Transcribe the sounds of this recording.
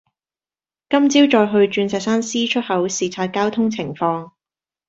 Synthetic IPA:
kɐ˥mt͡siː˥wt͡ʃɔː˧jɦɵ˧ɥt͡ʃyː˧nsɛː˨˧k̚saː˥nsiː˥t͡ʃʰɵ˥t̚hɐ˨˥wsiː˨˩t͡sʰaː˧t̚kaː˥wt̪ʰʊ˥ŋt͡sʰɪ˨˩ŋfɔː˧ŋ

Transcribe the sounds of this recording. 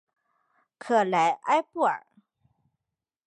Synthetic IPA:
kʰɤ˨˩la˧˥ɪʔa˥ɪpu˥˩ə̰˞˨˩

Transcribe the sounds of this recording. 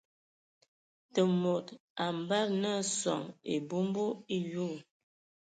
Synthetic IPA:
tə˨mo˨ta˨m˨ba˦lnə˦sɔ̰˨ŋḛ˨bu˦mbo˦i˦jo˦˨

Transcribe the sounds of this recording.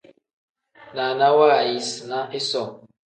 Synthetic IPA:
na˨na˦wa˦˨ji˦sna˦ʔɪ˦sɔ˨

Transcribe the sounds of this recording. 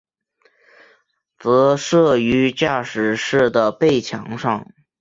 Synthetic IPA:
t͡sɤ˧˥ʂɤ˥˩y˧˥t͡ɕja˥˩ʂɻ̩˨˩ʂɻ̩˥˩d̪ə˩pe˥˩ɪt͡ɕʰjɑ̰˧˥ŋʂɑ˥˩ŋ

